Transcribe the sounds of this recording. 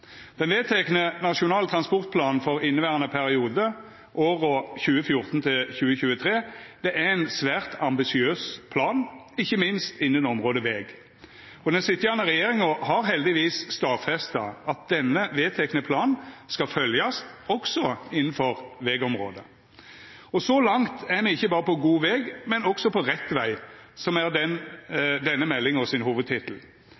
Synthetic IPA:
d̪̥ɛnʋeːt̪ʰɛknənɑʃʊnɑːlt̪ʰɾɑnspɔʁt̪̚pʰlɑːnn̩fɔʁɪnːəʋæːʁənəpʰæʁɪuːd̪ə | ʔoːʁɔçʉːəfjʊʁt̪n̩t̪ʰɪlçʉːəçʉːət̪ʰɾeːd̪̥ɛʔææɪnsʋæːʁt̪ɑmbɪsɪøːspʰlɑːn | ɪçːəmɪnst̪ɪnːənɔmʁoːd̪əʋeːɡ | ɔd̪ɛnsɪt̪ːjæʁnəʁɛjeːʁɪŋɔhɑɾɦɛld̪ɪʋiːsst̪ɑːfɛst̪ɑɑt̪̚d̪̥ɛnːəʋeːt̪ʰɛknəpʰlɑːnskɑfœljɑst̪ɔksɔɪnːn̩fɔɾʋeːɡɔmʁo̰ːd̪ə | ɔsɔlɑŋt̪æʁmɛɪçːəbɑːɾəpɔɡuːʋɛːɡmɛnɔɡ̥sɔpʰɔʁɛt̪ːʋæɪsɔmæʁd̪ɛnd̪ɛnːəmɛlːɪŋɔsɪnhuːʋəd̪̚t̪ʰɪt̪l̩

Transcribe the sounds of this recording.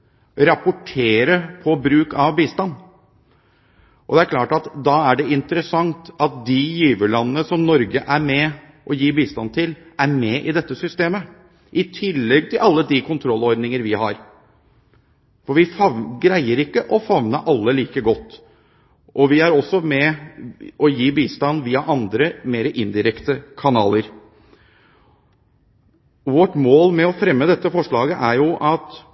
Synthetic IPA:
ɾɑpʊʈʰeːɾəpʰɔbɾʉːkɑʋbiːst̪ɑnː | ʔɔd̪ɛæɾklɑːʈɑt̪d̪ɑːæɖɛɪnt̪əɾəsɑŋt̪ɑt̪̚d̪ɪjiːʋəlɑnːənəsɔmnɔɾɡəʔæɾmɛ | ʔɔjiːbiːst̪ɑnt̪ʰɪlæɾmɛʔɪd̪ɛt̪ːəsʏst̪eːmə | ʔɪt̪ʰɪlːɛɡ̚t̪ʰɪlɑlːəd̪ɪkʰʊnt̪ʰɾɔlːɔɾd̪nɪŋəɾʋɪhɑɾ | fɔɾʋɪfɑɡɾæɪəɾɪkːəʔɔfɑʋnəʔɑlːəliːkəɡɔt̪ː | ʔɔʋɪæɾɔsːɔmɛ | ɔjiːbiːst̪ɑnʋiːɑʔɑnd̪ɾəmeːɾəʔɪnd̪ɪɾɛkt̪əkʰɑnɑ̰ːləɾ | ʋɔʈmoːlmɛɔfɾɛmːəd̪ɛt̪ːəfɔʂɭɑːɡəʔæɾjʊʔɑt̪

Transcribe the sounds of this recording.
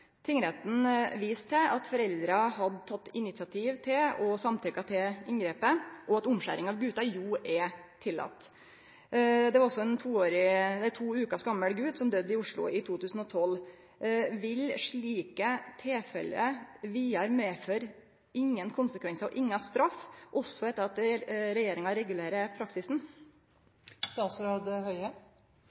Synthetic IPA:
t̪ʰɪŋəɾheːt̪n̩ʋiːst̪ʰɛɑt̪fɔɾɛld̪ɾɑɦɑd̪t̪ʰɑt̪ːɪnɪt̪sɑt̪ʰiːʋt̪ʰɪlɔsɑmt̪ʰʏkɑt̪ʰɪɪŋɡɾeːpəʔɔɑt̪ʊmɕæ̰ɾɪŋɑʋɡʉːt̪ɑjuːʔɛt̪ʰɪlːɑ̰t̪ː | d̪ɛʋɑɾɔsɔɛnt̪ʰuːoːɾɪd̪æt̪ʰuːʉːkɑsɡɑmːəlɡʉːd̪sɔmd̪ød̪ːɪʊʂɭʊ̰ɪt̪ʰuːt̪ʰʉːsn̩ɔt̪ʰɔl | ʋɪlʂɭiːkət̪ʰeːfɛ̰lːə̰ʋiːɑɾmeːføːɾ | ɪŋːənkʰʊnsəkʰʋɛnsəɔ̰ʔɪŋːɑst̪ɾɑfːʔɔsːɔɛt̪ːəɾɑt̪ɾɛjeːɾɪŋɑɾɛɡʉleːɾəpʰɾɑksɪsn̩ | st̪ɑːt̪sɾoːd̪hœʏə

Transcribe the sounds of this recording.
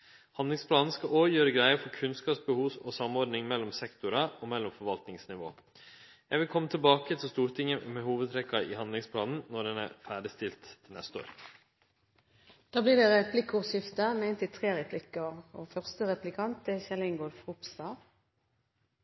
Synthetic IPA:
hɑnd̪lɪŋspʰlɑːnn̩skɑʔoːjøːɾəɡɾæɪəfɔkʰʉnskɑːpsbəhuːsɔsɑmɔɾd̪nɪŋmɛlːɔmsɛkt̪ʊɾɑɔmɛlːɔmfɔɾʋɑlt̪nɪŋsnɪʋo̰ː | jæɪʋɪlkʰɔmːət̪ʰɪlbɑːkət̪ʰɪlst̪uːɾt̪ʰɪŋːəmɛhuːʋəd̪t̪ʰɾɛkːɑɪ̰hɑnd̪lɪŋspʰlɑːnn̩nɔɖɛnæ̰ɾfæːɖɪst̪ɪlt̪ʰːɪlnɛ̰st̪əo̰ːɾ | d̪̥ɑːbliːd̪ɛʁɛpʰlɪkʊʁsɪft̪əment̪ɪt̪ʰʁeːʁɛpʰlɪkəʁoːfœʁst̪əʁɛplɪkʰɑnt̪̚d̪ɛçɛlɪŋɡod̪fʁʊpsd̪ɑːʋ

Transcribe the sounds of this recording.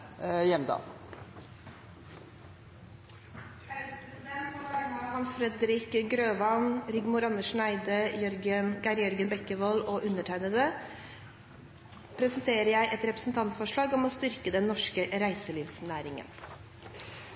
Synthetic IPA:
jɛmd̪ɑ̰ː | æspɾɛsɪd̪ɛnt̪ɔɾɑmɑhɑnsfɾɛd̪ɾɪkɡɾøːʋɑnɾɪɡmʊɾɑnəʂnæɪd̪əjœɾɡənɡæɾjœɾɡənbɛkːəʋɔloʔʉnːəʈʰæɪnəd̪ə | pʰɾɛsənt̪ʰeːɾəjæɪʔɛt̪ɾɛpɾəsn̩t̪ʰɑnt̪fɔʂɭɑːɡɔmɔst̪ʏɾkəd̪ɛnːɔʂkəɾæɪsəliːʋsnæːɾɪŋə̰n

